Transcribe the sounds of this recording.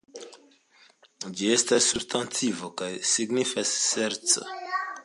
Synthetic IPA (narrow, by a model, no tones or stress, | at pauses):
d͡ʒie̞stasːubstant͡sivokajsiɡnifasːe̞ɾt͡so̰